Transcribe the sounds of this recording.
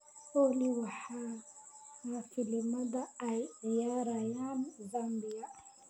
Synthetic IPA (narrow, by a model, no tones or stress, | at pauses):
owliwaħa | afilimad̪aːjɣjaɾajanzambija